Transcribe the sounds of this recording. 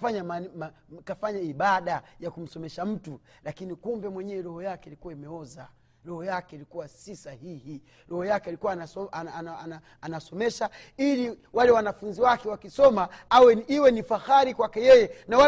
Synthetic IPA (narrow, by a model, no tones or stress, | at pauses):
faɲamam | kafaɲaiɓaɗajakum̩sɔmɛʃam̩tulakinikumbɛmwɛɲɛɛɾɔhɔjakɛilikuwaimɛɔza | ɾɔhɔjakɛilikuwasisahihi | ɾɔhɔjakɛilikuwanaɔanaːnasɔmɛʃa | iliwalɛwanafunziwakɛwakisɔmaawɛiwɛnifaxaɾikwakɛjɛjɛnawa